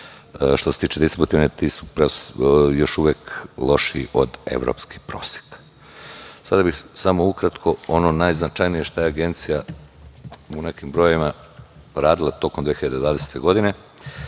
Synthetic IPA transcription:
ʃt̪oset̪iːt͡ʃed̪ist̪ɾibut̪iʋnet̪iːsu̥pɾeojo̞ʃuʋeːklˠo̞ʃiʔo̞d̪e̞̰ʋɾo̰pski̥pɾo̞̰ːsje̥kḁ | sad̪abixsamoukɾat̪kʰo̞ononajznat͡ʃajnije̞ʃt̪ajeaɡe̞nt̪sija | une̞kimbɾo̞joima | ɾaːd̪ilˠat̪o̞komd̪ʋexiʎad̪ed̪ʋaːd̪e̞se̥t̪e̞ɡo̞d̪ine̞

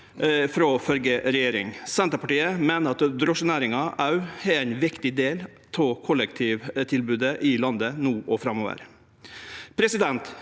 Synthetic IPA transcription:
fɾoːfœlɡəɾɛjeːɾɪ̰ŋsɛnt̪ɾəpɑʈiːəmeːnəɾɑt̪d̪ɾɔʂənæːɾɪŋɑʔɑʉɛɾæɪnʋɪkt̪ɪd̪eːl | t̪ʰɔkʰɔlːək̚t̪ʰiːʋt̪ʰɪlbʉːd̪əʔɪlɑnd̪ənuːʔɔfɾɑmːoːʋə̰ɾ | pʰɾɛsɪd̪ɛnt̪

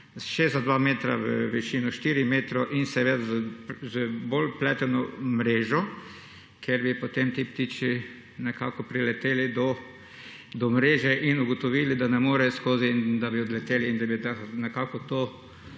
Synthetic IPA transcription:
ʃezzad̪ʋameːt̪ɾa̰ʋəʋɛʃinɔʃt̪iːɾimeːt̪ɾɔʔinsɛʋed̪azəbolplɛt̪ɛnɔmɾeːʒɔ | kʰeɾbipot̪emt̪ip̚t̪it͡ʃi | nɛkaːkɔpɾilɛt̪eːlid̪ɔ | d̪ɔmɾeːʒɛʔinuɡɔt̪ɔʋilid̪anɛmoːɾɛskoːzind̪abiɔd̪lɛt̪eːliːnd̪abit̪anɛkakɔt̪oː

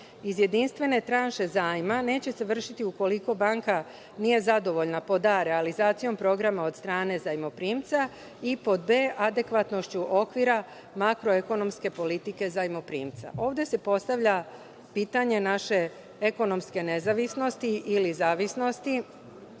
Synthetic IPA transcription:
izje̞d̪inst̪ʋe̞ne̞t̪ɾanʃe̞zaːjimane̞ːt͡ɕe̞se̞ʋr̩ʃit̪iuko̞liko̞baŋka | nije̞zad̪o̞ʋo̞ʎnapo̞d̪aɾe̞alizaːt̪sijo̞mpɾo̞ɡɾamao̞d̪st̪ɾaːne̞zajmo̞pɾiːmt̪sa | ipo̞d̪̚be̞ːʔad̪e̞kʋat̪no̞ʃt͡ɕuʔo̞kʋiɾa | makɾo̞e̞ko̞no̞mske̞po̞lit̪ike̞zajmo̞pɾḭːmt̪sa̰ʔo̞ːʋd̪ese̞po̞st̪aʋʎa | piːt̪aɲe̞naʃe̞ | eko̞no̞mske̞ne̞zaʋisno̞st̪iʔilizaːʋisno̞st̪i

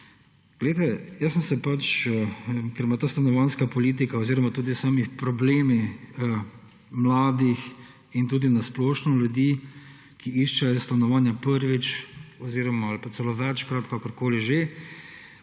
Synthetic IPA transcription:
ɡ̥lejt̪ɛjəsəmsɛpat͡ʃ | kɛɾmat̪aːst̪anɔʋaːnskapɔliːt̪̬ikaɔziːɾɔmat̪uːd̪isaːmipɾɔbleːmi | mlaːd̪ix | int̪uːd̪inasplɔːʃnɔljud̪i | kiiʃt͡ʃɛjɔst̪anɔʋaːnjapəɾʋit͡ʃɔziːɾɔmaalpat͡s̪ɛloʋɛt͡ʃkɾat̪kakɔɾkoːliʒe

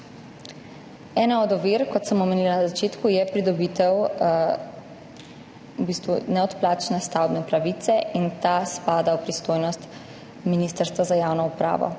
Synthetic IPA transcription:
ɛːnaɔd̪ɔʋiːɾkɔt̪səmɔmeniːlanazat͡ʃeːt̪kujɛpɾid̪ɔbiːt̪ɛw | bist̪ʋunɛɔt̪plaːt͡ʃnɛst̪awbnɛpɾaʋiːt̪sɛʔint̪aspaːd̪awpɾist̪oːjnɔst̪ | minist̪əɾst̪ʋazajawnɔupɾa̰ːʋɔ̰

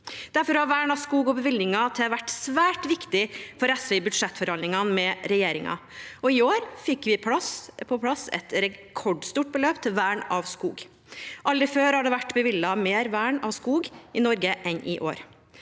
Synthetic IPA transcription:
d̪̥æɾfɔɾɑʋæːɳɑʋskuːɡɔbəʋɪlnɪŋɑt̪ʰɛlʋæʈːsʋæːʈʋɪkt̪ɪfɔɾɛsʋɛɪbʉd̪ʂɛt̪ːfɔɾhɑnɪŋɑnmɛɾɛjeːɾɪ̰ŋɑ̰ɔɪoːɾfɪkːʋɪpʰlɑspʰɔpʰlɑsɛ̰t̪ɾɛkʰɔɖst̪uːʈ̚bəløːpt̪ʰɪʋæːɳɑʋskṵːɡ | ʔɑlɾəføːɾhɑɖɛʋæʈːbəʋɪlːɑmeːɾʋæːɳɑ̰ʋskuːɡɪnɔɾɡəʔɛnʔɪʔo̰ːɾ

